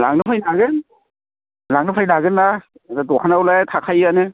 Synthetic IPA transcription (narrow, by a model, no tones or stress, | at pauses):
la̰ŋnɯpʰajnaɡɯn | laŋnɯpʰajnaɡɯnːa | dadɔkʰanawlajtʰakʰajanɯ